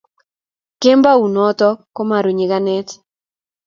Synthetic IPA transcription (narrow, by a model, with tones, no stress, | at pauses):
ke˦mba˦u˨nɔ˦tɔ˦ko˦ma˨ɾu˨ɲɪ˨ɡa˦nɛ˦t